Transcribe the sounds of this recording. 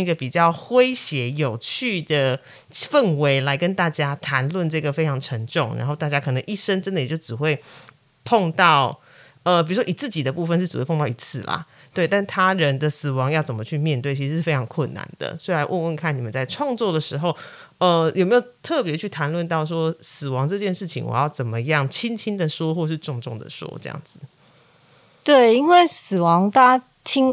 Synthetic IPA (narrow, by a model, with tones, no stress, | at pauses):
i˧˥ɡə˧˩pi˨˩t͡ɕjɑ˥˩ʊxwe˥ɪɕjɛ˧˥jo˨˩ʊt͡ɕʰy˥˩d̪ə˩ | fə˥˨˩nwe˧˥ɪla˧˥ɪkə˥nt̪a˥˩t͡ɕja˥t̪ʰa˧˥nlwə˥˧nʈ͡ʂɤ˥˩ɡə˩fe˥ɪʈ͡ʂʰɑ˧˥ŋʈ͡ʂʰə˧˥ŋʈ͡ʂʊ˥˩ŋɻa̰˧nxo˥˧ʊt̪a˥˩t͡ɕja˥kʰɤ˨˩nɤ˧˦ŋʔi˥˩ʂə˥nʈ͡ʂə˥nd̪ə˨jjo˥˩ʊʈ͡ʂɻ̩˨˩xwe˥˧ɪ | pʰo˥˧ŋt̪ɑ˥˩ʊ | ə˧pi˨˩ɻu˧˦˥wɔ˥i˨˩t͡sɹ̩˥˩t͡ɕi˨˩d̪ə˦pu˥˩fə˨nʂɻ̩˥˩˧wpʰt̪ɑ˥˩ʊ˧i˧˥t͡sʰɹ̩˥˩lɐ̰˨˩ | t̪we˥˩ɪt̪a˥˩nt̪ʰa˥ɻə˧˦nd̪ə˧sɹ̩˨˩wɑ˧˦ŋjɑ˥˩ʊt͡sə˨˩mə˦t͡ɕʰy˥˧mjɛ˥˧nt̪we˥˩ɪt͡ɕʰi˧˥ɻ̩˧ʂɻ̩˥˩fe˥ɪʈ͡ʂʰɑ˧˥ŋkʰwə˥˩nːa̰˨˦nd̪ə̰˩so˥˧˥i˨la˧˦ʔu˥˧wə˥˧nkʰa˥˩ni˨˩mə˦nt͡sa˥˧ɪʈ͡ʂʰwɑ˥˧ŋt͡swɔ˥˩d̪ə˩ʂɻ̩˧˥ɦo˥˧ʊ | ə˧jo˨˩me˧˥jo˨˩ʊt̪ʰɤ˥˩pjɛ˧˦ət͡ɕʰy˥˩t̪ʰa˧˥nlwə˥˧nt̪ɑ˥˩ʊʂ̬wɔ˥s̩˨˩wɑ˧˦˥ŋʈ͡ʂɤ˥˧t͡ɕjɛ˥˧nʂɻ̩˥˩t͡ɕʰḭ˧ŋwɔ̰˨˩jɑ˥˩ʊt͡sə˨˩mə˦jɑ˥˨˩ŋt͡ɕʰi˥ŋt͡ɕʰi˥nd̪ə˨ʂwɔ˥xwɔ˥˧ʂ̬ɻ̩˥˧ʈ͡ʂʊ˥˧ŋʈ͡ʂʊ˥˩ŋd̪ə̰˨ʂwɔ̰˥ʈ͡ʂɤ̰˥˧jɑ̰˥˨˩ŋd͡z̩˩ | t̪we˥˩ɪi˥nwe˥˩ɪs̩˨˩wɑ˧˦˥ŋt̪a˥ | t͡ɕʰi˦˥ŋ